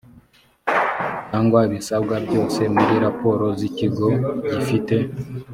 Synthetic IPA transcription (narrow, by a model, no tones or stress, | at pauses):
caːŋɡwaβisabɡabɟo̞ːse̞muɾiɾapo̞ːɾo̞ziciɡo̞ɟifite̞